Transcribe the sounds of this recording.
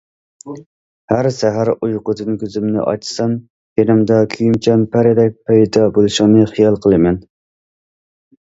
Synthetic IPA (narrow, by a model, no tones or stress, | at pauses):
hæɾsæɦæɾujqʊd̪ɨnkʲøzymnɪ̰ʔɑ̰t͡ʃʰsɑn | kenɪmd̪ɑkʲʰyjymt͡ʃʰɛnpʰæɾɪd̪ɛk̚ʲpʰɛjd̪ɑbolˠɨʃɪŋnɨχijɑlˠqʰəlˠɨmɛn